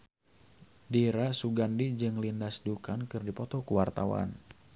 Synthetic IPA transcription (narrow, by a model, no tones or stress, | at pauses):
diɾasuɡandid͡ʒɨŋlindasdukankɨrdipɔt̪ɔkuwart̪a̰wa̰n